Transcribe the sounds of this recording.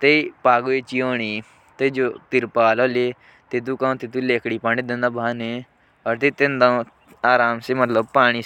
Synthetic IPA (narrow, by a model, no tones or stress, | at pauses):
t̪eːipaːɡoeːt͡ʃiːoːɳiː | t̪eːd͡ʒoːt̪ɪɾpaːloːleː | t̪ɪt̪̬uːkãːt̪ɪt̪uleːkʰɽiːpaːɽ̃iːd̪ẽnd̪aːbʱaːne | ɔːɾt̪eːt̪ẽnd̪ã | aːɾaːmseːmət̪ləb̚paːɽ̃iː